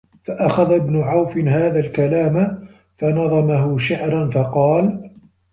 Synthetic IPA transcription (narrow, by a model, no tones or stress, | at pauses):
faʔaxaðabnʊʕawfɪnɦaːðalkalaːm | fanɑðˤɑmaɦʊʃaʕɾˤanfɑqɑːl